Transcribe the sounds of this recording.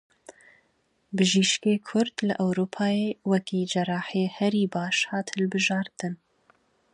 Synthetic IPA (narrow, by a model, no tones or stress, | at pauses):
bɨʒiːʃkeːkʰʊɾd̪lɨʔɛwɾuːpʰɑːjeːwɛkiːd͡ʒɛrɑːħeːhɛɾiːbɑːʃhɑːt̪hɨlbɨʒɑːɾt̪ɨn